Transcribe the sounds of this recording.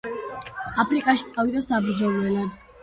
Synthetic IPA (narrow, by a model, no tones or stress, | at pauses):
apʰɾikʼaʃit̪sʼavid̪asabɾd̪zɔlɛlad̪